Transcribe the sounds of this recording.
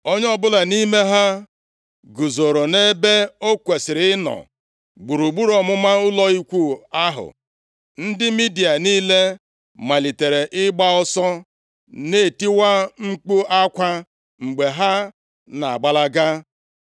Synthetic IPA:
o˦ɲ˦ɔ˦bʊ˦la˨ni˦me˦ɦa˦ | ɡu˨zo˨ɾo˨ne˦be˦o˦kʷe˨sɪ˨ɾɪ˦nɔ̰˨ | ɡ͡bu˨ɾu˨ɡ͡bu˦ɾɔ˨mʊ˦ma˦ʊ˦lɔ˦i˦kʷu˦a˦ɦʊ̰˨ | n̩˦dɪ˦mi˦di˨a˨niː˦le˦ | ma˨li˨te˨ɾe˨ʔɪ˦ɡ͡ba˦ɔ˦sɔ˦ | ne˦˨ti˦wa˦ŋ͡m̩˦k͡pu˦a˦kʷa˦ | ŋ͡m̩˨ɡ͡be˨ɦa˦ | na˨a̰˨ɡ͡ba˦la˦ɡa˦

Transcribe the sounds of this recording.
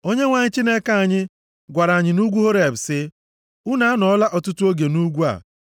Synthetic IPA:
o˦ɲe˦ŋʷa˨ɲɪ˦t͡ʃi˦ne˦ka˦a˨ɲɪ˦ | ɡʷa˨ɾa˨ɲɪ˨nu˦ɡʷu˦ɦo˦ɾe˨b̩˨sɪ˦ | u˦na˨a˦nɔ˨ɔ˦la˦ʔɔ˨tʊ˦tu˦o˦ɡe˨nu˦ɡʷu˦a̰˨

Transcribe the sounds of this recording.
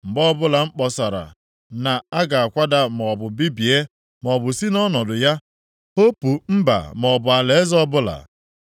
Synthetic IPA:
ŋ͡m̩˨ɡ͡bɔ˦bʊ˦la˨ŋ͡m̩˦k͡pɔ˨sa˨ɾa̰˨ | na˨a˦ɡa˨a˨kʷa˦da˦m˨ɔ˨bʊ˨bi˦bi˨e˦ | mɔ˨bʊ˨si˦nɔ˦nɔ˨dʊ˨ja˦ | o˦pu˨m̩˦ba̰˨mɔ˨bʊ˨a˨le˨˦zɔ˦bʊ˦la̰˨

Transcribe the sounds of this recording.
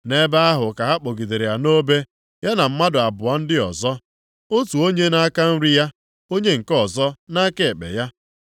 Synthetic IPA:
ne˦ba˦a˦ɦʊ˨ka˨ɦa˦k͡po˨ɡi˨de˨ɾe˨ja˨no˦be˦ | ja˦na˨m̩˦ma˦dʊ˨a˨bʊ˨a˦n̩˦dɪ˦ɔ̰˨zɔ˦ | o˦tu˨o˦ɲe˦na˦a˦ka˦n̩˦ɾi˦ja˦ | o˦ɲe˦ŋ̩˨kɔ˦˨zɔ˦na˦ke˨e˨k͡pḛ˨ja˦

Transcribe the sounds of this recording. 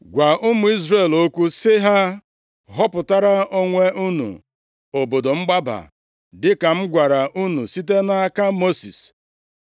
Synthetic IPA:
ɡʷa˨ʔʊ˦mʊ˨i˦zre˦˨lo˦kʷu˦sɪ˦ɦa˦ | ɦɔ˦pʊ˨ta˦ɾa˦o˦ŋʷe˦u˦nṵ˨ | o˨bo˨do˨m̩˦ɡ͡ba˦ba̰˨ | dɪ˦ka˨m̩˦ɡʷa˨ɾa˨ʔu˦nu˨si˦te˦na˦a˦ka˦mo˦sḭ˨s

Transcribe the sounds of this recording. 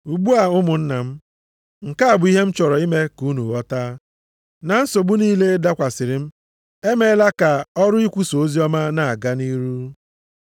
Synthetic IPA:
u˨ɡ͡bu˦a˨ʊ˦mʊ˨n̩˦na˨m̩˦ | ŋ̩˨ka˦a˨bʊ˨˦i˦ɦe˦m̩˦t͡ʃɔ˨ɾɔ˨i˦me˦ku˦nu˨ɔ˦ta˦ | na˨n̩˦so˨bu˦niː˦le˦da˦kʷa˨sɪ˨ɾɪ˨m̩˦ | e˦me˦la˦ka˨ɔ˦ɾʊ˦i˦kʷu˦so˨o˦zi˦ɔ˦ma˦na˨a˨ɡa˦ni˦ɾu˦

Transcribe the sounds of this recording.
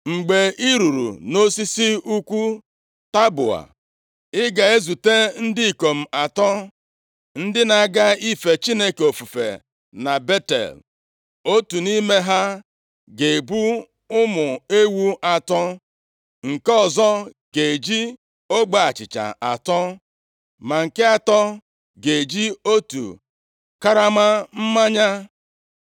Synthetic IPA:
ŋ͡m̩˨ɡ͡be˨i˦ɾu˨ɾṵ˨no˦si˦si˦u˦kʷu˦ | ta˦bʊ̰˨a̰˨ | ɪ˦ɡa˨e˦zu˨te˦n̩˦dɪ˦i˨ko˨m̩˨a˨tɔ˦ | n̩˦dɪ˦na˨ɡa˦i˦fe˨t͡ʃi˦ne˦ko˨fu˨fḛ˨ | na˨be˦tḛ˨l | o˦tu˨ni˦me˦ɦa˦ | ɡe˨bu˦ | ʊ˦mʊ˨e˦wu˦ʔa˨tɔ˦ | ŋ̩˨ke˦ɔ˨zɔ˦ | ɡ̥e˨e˨d͡ʒi˦ | o˦ɡ͡ba˨a˨t͡ʃɪ˨t͡ʃa̰˨ʔa˨tɔ˦ | ma˨ŋ̩˨ke˦a˦tɔ˦ | ɡe˨d͡ʒi˦o˦tṵ˨ | ka˦ɾa˦ma˦m̩˦ma˦ɲa˦

